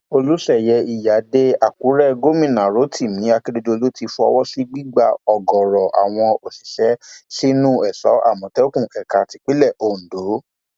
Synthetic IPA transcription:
o˧lu˦ʃɛ˦˨jɛ˧i˨ja˨˦de˦a˨ku˨˦ɾɛ˦ɡo˦˨mĩ˦˨nã˨ɾo˨˦tʰi˦˨mĩ˨˦a˧ki˦de˧do˧o˧lo˦ti˧fɔ̰˧wɔ˦si˦ɡ͡bi˦ɡ͡ba˧ɔ˨ɡɔ˨ɾɔ˨ʔa̰˨w̃ɔ̃˧o˨si˨ʃɛ˨˦si˦nũ˦ɛ˨sɔ̰˨˦ʔa̰˦˨mɔ̃˨˦tɛ˦o˦kũ˦˨ʔɛ˨ka˨ti˨˧k͡pi˦lɛ˦˨ʔõ˨do˨˦

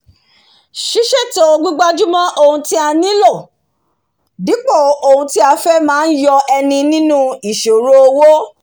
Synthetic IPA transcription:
ʃi˦ʃɛ˦˨to˨˦o˧ɡ͡bu˦ɡ͡ba˦d͡ʒu˦mã˦ʔo˧hũ˧ti˦a˧nĩ˦lɔ˦˨ | di˨˦k͡pɔ˦˨o˧˨hũ˧ti˦a˧fɛ˦mãː˦n̩˦jɔ˧ɛ˧nĩ˧nĩ˦nũ˦i˨ʃo˨ɾo˦o˧wo˦

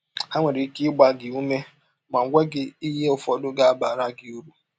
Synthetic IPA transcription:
ha˦ŋʷe˨ɾi˨˦kɪ˦ɡ͡ba˨ɡɪ˨u˦me˦ | ma˨ŋ̩˦ɡʷe˦ɡɪ˦i˦ɦe˦ʊ˨fɔ˨dʊ˦ɡa˦a˦ba˨ɾa˦ɡɪ˨u˦ɾu˦

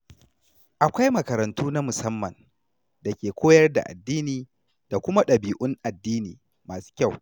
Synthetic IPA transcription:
ʔa˨kʷa˦jmɐ˨kɐ˨ɾɐ˨ntuː˦na˦mʊ˨sɐ˦mːɐ˨n | da˨kʲeː˨kʷoː˦jɐ˦rda̰˨ʔa̰˨dːiː˦niː˨ | da˨kʷʊ˦ma˦ɗɐ˨biː˨ʔʊ˦ŋʔa˨dːiː˦niː˨ | maː˨su̥ː˦kʲa˦˨w

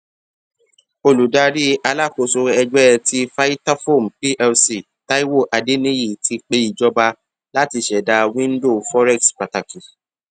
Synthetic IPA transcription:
o˧lu˨da˨˧ɾi˦ʔa˧la˦˨ko˨so˧ɛ˧d͡ʒɛ˦ɛ˧ti˦fa˦i˦ta˦fo˦˨m̩˨pi˦ʔɛ˧lsi˨ | ta˦i˦wo˦˨ʔa˨de˦nĩ˦ji˦˨tʰi˧k͡pe˧˦i˦˨d͡ʒɔ˧ba˧ | la˦ti˧ʃɛ˨da˨˧wĩ˦n̩˦do˦˨fɔ˦ɾɛ˦˨kspa˨ta˨ki˨

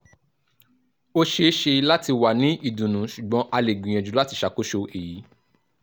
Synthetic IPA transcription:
o˦ʃe˧˦ʃe˧la˦ti˧wa˨nĩ˨˦i˦˨dũ˨nũ˨˦ʃu˨ɡ͡bɔ̃˨˦ʔa˧le˨ɡ͡bĩ˨j̃ɛ̃˨d͡ʒũ˨la˦ti˧ʃa˨˦ko˦ʃo˧e˨ji˨˦

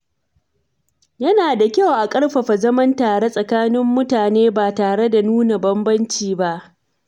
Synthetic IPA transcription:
jɐ˦naː˨da˨kʲa˦˨wʔa˨kʼɐ˦ɽɸɐ˨ɸa˨zɐ˦mɐ˦ntaː˨ɽe˦sʼɐ˨kaː˦nɪ˦mːʊ˦taː˨neː˦baː˨taː˨ɽe˦da˨nuː˦na˨bɐ˦mbɐ˦nt͡ʃiː˨ba˦ʔ

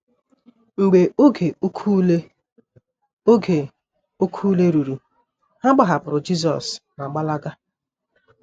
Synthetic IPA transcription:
ŋ͡m̩˨ɡ͡be˨ʔo˦ɡe˨˦kʰu˦le˦ | o˦ɡe˨ | o˦kʰu˦le˦ɾu˨ɾu˨ | ha˦ɡ͡ba˦ɦa˨pʊ˨ɾʊ˨d͡ʒi˦z̬ɔ̰˨sna˨ɡ͡ba˦la˦ɡa˦

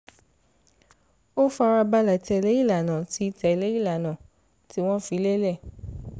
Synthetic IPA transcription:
o˦fu˦a˧ɾa˧ba˦la˨tɛ˧le˦i˦˨la˨nã˨ti˨˦tɛ˧˨le˦i˦˨la˨nãː˨ | ti˦w̃ɔ̃˦fi˨˦le˦lɛ˦˨

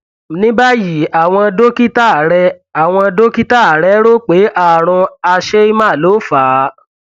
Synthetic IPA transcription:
nĩ˦ba˦ji˨a˨w̃ɔ̃˧a˧do˦ki˦ta˦˨ɾɛ˧ | a˨w̃ɔ̃˧a˧do˦ki˦ta˦˨a˨ɾɛ˨˦ɾo˦k͡pe˨˦ʔa˦˨ɾ̃ũ˧a˧ʃe˦i˦mã˦˨lo˨˦faː˨˦

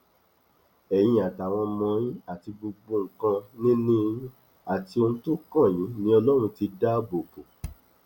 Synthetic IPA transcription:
ɛ˨j̃ĩ˧a˨ta˨w̃ɔ̃˧mɔ̃˧jĩ˦a˦˨ti˧bo˧ɡ͡bo˧ŋ̩˨kã˧nĩ˦nĩ˦˧ĩ˦ | a˨ti˧o˧nũ˧to˦kã˦˨j̃ĩ˨˦nĩ˦ɔ˧lɔ˦ɾ̃ũ˧ti˧da˦bo˨po˨

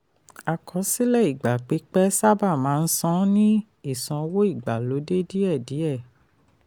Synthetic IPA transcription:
a˨kʰɔ˨˦si˦lɛ˦˨i˨ɡ͡ba˨k͡pe˨˦k͡pɛ˦sa˦ba˦˨mãː˨˦˧n̩˦sɔ̃˦nĩ˦ | i˦˨sɔ̃˧wo˦i˦˨ɡ͡ba˨lo˨˦de˦di˦ɛ˦˨di˨˦ɛ˦˨

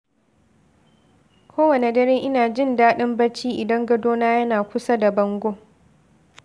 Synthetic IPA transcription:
kʰʷoː˦wɐ˨ne˨dɐ˦ɾeː˦ŋʔɪ˦naː˨d͡ʒɪ˦˨ndaː˦ɗɪ˦mbɐ˦t͡ʃiː˦ʔɪ˨dɐ˦ŋɡɐ˦doː˦naː˦jɐ˦naː˨kʷʊ˦sa˦da˨bɐ˦ŋɡʷoː˦

